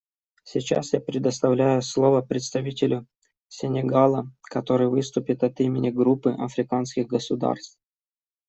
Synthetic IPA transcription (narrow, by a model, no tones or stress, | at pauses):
sʲɪt͡ɕa̰sjapɾʲɪd̪əst̪ɐvlʲæjʊslˠo̞vəpɾʲɪt̪st̪ɐvʲitʲɪlʲʊ | sʲɪnʲɪɡalˠəkɐt̪o̞ɾɨjvɨst̪ʊpʲɪt̪ɐt̪imʲɪnʲɪɡɾupːɨʔɐ̰fɾʲɪkanskʲɪɣɡəsʊd̪a̰rst̪f